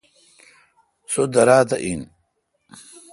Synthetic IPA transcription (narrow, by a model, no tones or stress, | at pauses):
sod̪ɐɾaːt̪aʔin